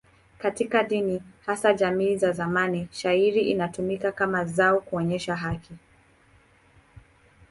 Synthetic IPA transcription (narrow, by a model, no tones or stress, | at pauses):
katikaɗinihasaʄamiːzazamaniʃaiɾiʔinatumikakamazaɔkuɔɲɛʃaɦakʰi